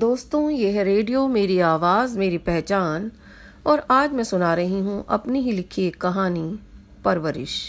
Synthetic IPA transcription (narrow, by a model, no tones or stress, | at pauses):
d̪oːst̪õjeɦɛɾeːɖijomeːɾiaːʋaːzmeːɾipɛɦt͡ʃaːn | ɔːɾaːd͡ʒmɛ̃sʊnaːɾɐɦiɦũʔɐ̰pniɦilɪkʰiekɐɦaːni | pɐɾʋəɾɪ̰ʃ